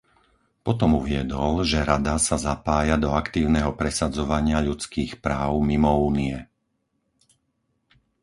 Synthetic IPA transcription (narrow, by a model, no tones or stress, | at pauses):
pɔt̪ɔmuʋɪɛd̪ɔlʒɛɾad̪asazapaːjad̪ɔakt̪iːʊnɛɦɔpɾɛsad͡zɔʋaɲɪaʎut͡skiːxpɾaːʊmimɔuːniɛ